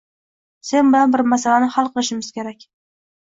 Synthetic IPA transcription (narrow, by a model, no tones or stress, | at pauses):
se̞nbɪlanbɪɾmasalanɪhalˠqʰɨlˠɪʃɪmɪz̥kʲʰe̞ɾakʲ